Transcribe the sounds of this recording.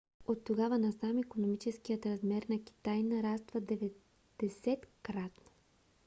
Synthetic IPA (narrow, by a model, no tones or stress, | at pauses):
ot̪ːoɡavənɐsamikonomit͡ʃɛskijət̪ɾɐzmɛɾnɐkʲi̥t̪ajnɐɾast̪vəd̪ɛvɛ | d̪̥ɛsɛt̪kɾat̪no